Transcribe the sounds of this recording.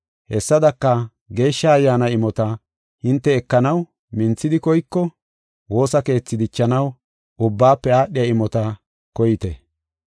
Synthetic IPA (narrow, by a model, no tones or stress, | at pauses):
hɛsːɐd̪ɐkːɐ | ɡe̞ːʃːɐːjːaːnɐɪmɔt̪ɐ | hɪnt̪ːɛːkːɐnɐw | mɪnt͡sːɪd̪ɪkɔjkːɔ | wo̞ːsɐke̞ːt͡sːɪd̪ɪt͡ʃːɐnɐw | ʊbːaːpːɛaːɗɪjɐɪmɔt̪ɐ | kɔjɪt̪ɛ